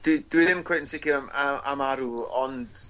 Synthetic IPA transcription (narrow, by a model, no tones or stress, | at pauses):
d̥id̥wiðɪmkʰwednsɪkɪamaa̰maɾuɔnd̥